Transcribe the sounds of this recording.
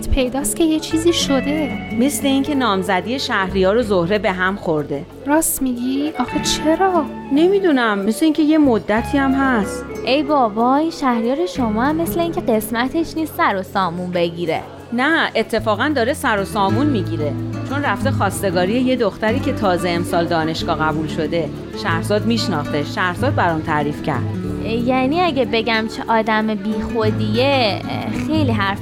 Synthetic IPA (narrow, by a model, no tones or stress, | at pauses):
t̪pʰe̞jd̪ɒːst̪cʰʲe̞jet͡ʃʰiːziːʃod̪e̞me̞sle̞iŋcʰe̞nɒːmzæd̪iːjeʃæhɾijɒːɾozohɾe̞be̞ɦæmxoɾd̪e̞ | ɾɒːsmiɟiɒxet͡ʃʰeɾɒː | ne̞mid̪unæmːesleiːŋcʰe̞je̞mod̪ːæt̪ʰiːæmɦæst̪ʔe̞jbɒːbɒːinʃæhɾijɒːɾe̞ʃo̞mɒːæmːe̞sle̞iːŋcʰe̞ɢe̞smæt̪ʰe̞ʃniːst̪sæɾosɒːmunbe̞ɟiɾe̞̰ | næʔe̞t̪ʰːe̞fɒːɣænd̪ɒːɾesæɾo̞sɒːmunmiɟiːɾet͡ʃʰo̞nræft̪e̞xɒːst̪e̞ɡɒːɾijeje̞d̪oxt̪æɾiːcʰe̞t̪ʰɒːze̞emsɒːld̪ɒːne̞ʃɡ̥ɒːɣæbulʃo̞d̪e̞ | ʃæɾzɒːd̪miːʃnɒːχt̪e̞ʃæɾhz̥ɒːd̪̚bæɾɔːnt̪ʰæɾiːfcʰæ̰ɾd̪̥jæniːæɟebe̞ɟæmt͡ʃʰeʔɒːd̪æmebiːxo̞d̪ijexe̞jliːɦæɾf